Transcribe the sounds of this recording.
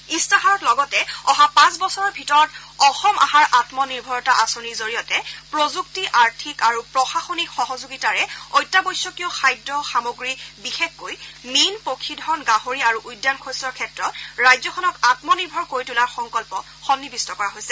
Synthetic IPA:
istaɦaɹɔtlɔɡɔtɛɔɦapãsbɔsɔɹɔɹbʱitɔɹɔt | ɔxɔmʔa̰ɦaɹʔatmɔniɹbʱɔɹɔtaʔasoniɹzoɹijɔtɛpɹozuktiʔaɹtʰikaɹupɹɔxaxonikxɔɦɔzuɡitaɹɛɔjtːabɔjsːɔkiɔxajdɹɔxamoɡɹibixexːojminpokʰidʱɔnɡaɦoɹiaɹuʔujdːankʰostɔɹkʰɛtɹɔtɹajzɔxʰɔnɔkatmɔniɹbʱɔɹkoɹitulaɹxɔŋkɔlpɔ | xɔnːibistɔkɔɹaɦojsɛ

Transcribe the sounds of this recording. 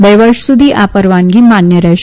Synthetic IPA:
beʋəɾʃsud̪ʱiʔapəɾʋanɡimanjəɾɛʃ

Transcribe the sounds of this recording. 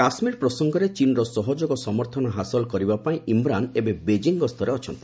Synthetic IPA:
kasmiɾpɾɔsɔŋɡɔɾet͡ʃinɔɾɔsɔɦɔd͡ʒoɡɔsɔmɔɾt̪ʰɔnɔɦasɔlkɔɾibapaĩʔimɾanebebed͡ʒiŋɡɔst̪ʰɔɾeɔt͡ʃʰɔnt̪i

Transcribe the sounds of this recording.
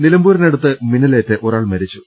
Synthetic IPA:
nilɐmbuːɾineɽut̪ːɨminɐleːtːeʔo̞ɾaːɭmɐɾit͡ɕːu

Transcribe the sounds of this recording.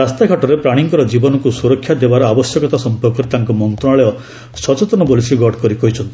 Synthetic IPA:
ast̪akʰaʈɔɾepɾaɽ̃iŋkɔɾɔd͡ʒibɔnɔkusuɾɔkʰːjad̪ebaɾɔabɔsjɔkɔt̪asɔmpɔɾkɔɾet̪aŋkɔmɔnt̪ɾɔ̃aɭeɔ | sɔt͡ʃet̪ɔnɔbolisiɡɔɖkɔɾikɔɦit͡ʃʰɔnt̪i̥

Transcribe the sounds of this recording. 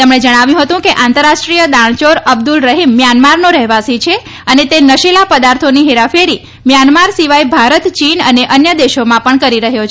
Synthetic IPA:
t̪emɳ̃ed͡ʒəɽ̃aʋjũɦət̪ũkeʔãnt̪əɾaʃʈɾijəd̪aɳ̃t͡ʃoɾəb̚d̪ulɾəɦimːjanmaɾnoɾɛɦʋasit͡ʃʰe | ənet̪enəʃelapəd̪aɾt̪ʰoniɦeɾafeɾi | mjanmaɾsiʋajbʱaɾət̪t͡ʃinəneʔənjəd̪eʃomãpəɳkəɾiɾəɦjot͡ʃʰ

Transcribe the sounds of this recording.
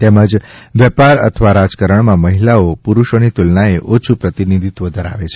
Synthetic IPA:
t̪ɛməd͡ʒʋɛpaɾə̰t̪ʰəʋaɾad͡ʒkəɾəɳmãməɦilaopuɾuʃonit̪ulnaeʔot͡ʃʰupɾət̪inid̪ʱit̪ʋəd̪ʱəɾa̰ʋet͡ʃʰe

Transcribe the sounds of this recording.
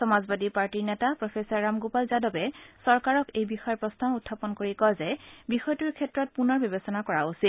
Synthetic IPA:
sɔmazbadipaɹtiɹnɛtapɹɔpʰesɔɹːamɡopalzadɔbɛsɔɹkaɹɔkejbixɔjɔpɹɔstʰamutʰːapɔnkoɹikɔjzɛbixɔjtuɹkʰɛtːɹɔt̚punɔɹbɔbesɔnakɔɹausit

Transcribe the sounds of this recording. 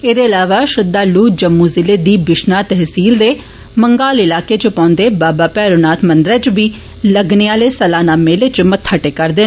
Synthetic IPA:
eːd̪eːəlaːʋaːʃɪd̪ːaːluːd͡ʒəmːuːzɪleːd̪iːbɪʃnaːt̪ɛɦsiːld̪eː | məŋɡaːlɪlaːkeːt͡ʃəpãːnd̪eːbaːbaːpɛːɾoːnaːt̪ʰmənd̪ɾɛːt͡ʃʋiː | ləɡneːaːleːsəlaːnaːmeːlet͡ʃmət̪ʰːəʈeːkəɾd̪eː

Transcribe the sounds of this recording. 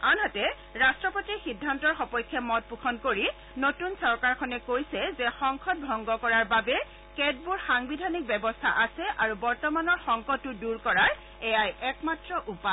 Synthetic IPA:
anɦɔtɛ | ɹastɹɔpotixidʱːantɔɹxɔpɔjkʰːɛmɔt̚pukʰɔnkoɹi | notunsɔɹkaɹkʰɔnɛkojsɛzɛxɔŋkʰɔt̚bʱɔŋɡɔkɔɹaɹbabɛ | kɛd̚buɹxaŋbidʱanik̚bɛbɔstʰa̰ʔasɛʔaɹubɔɹtɔmanɔɹxɔŋkɔtːʊduɹkɔɹaɹ | ɛjajʔɛkmatɹɔʔupa

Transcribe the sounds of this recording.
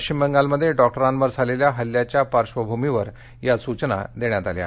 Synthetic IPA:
kt͡ɕimbəŋɡalməd̪ʱːjeɖɔk̚ʈəɾãnʋəɾd͡zʱaleljaɦəljat͡ɕjapaɾʂʋəbʱumiʋəɾ | jasut͡ɕna̰d̪eɳ̃jat̪alja̰

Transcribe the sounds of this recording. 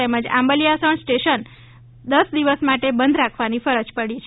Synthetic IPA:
ɛməd͡ʒa̰mbəlijasəɳsʈeʃən | d̪əsd̪iʋəsmaʈebənd̪ɾakʰʋanifəɾəd͡ʒpəɽit͡ʃʰ

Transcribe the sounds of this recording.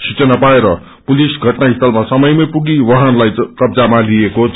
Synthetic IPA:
sit͡sʌnapaeɾʌ | pulisɡʱʌʈnaɦist̪ʌlmasʌmʌjmʌjpuɡiwʌɦʌnlajkʌbd͡zamalieko

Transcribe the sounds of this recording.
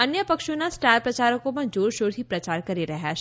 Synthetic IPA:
ɐnjəpɐkʃõnasʈaːɾpɾɐt͡ʃaːɾəkõmɐ̃d͡ʒoːɾʃoːɾɦipɾɐt͡ʃaːɾkɐɾiɾɐɦɛ

